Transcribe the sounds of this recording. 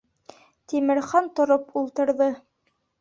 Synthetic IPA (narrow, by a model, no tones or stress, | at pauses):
t̪imɘ̆ɾχɑnt̪ŏɾopulˠt̪ɤ̆ɾðɤ